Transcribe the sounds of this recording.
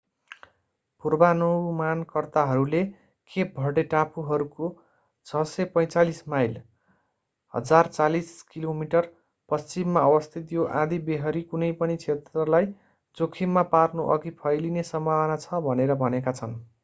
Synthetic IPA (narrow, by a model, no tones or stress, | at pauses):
purbanowmankʌrt̪aɦʌɾule | kʰebʱʌɽeʈapʰuɦʌɾuko | t͡sʰʌsʌpʌj̃t͡salismajl | hʌ̰d͡zart͡saliskilomiʈʌr | pʌst͡simːaʌbʌst̪ʰit̪joʔãd̪ibeɦʌɾikunʌjpʌnit͡sʰet̪rʌlaj | d͡zokʰimːaparnoʔʌɡipʰʌjlinesʌmbʱawʌnat͡sʰʌbʱʌneɾʌbʱʌnekat͡sʰʌn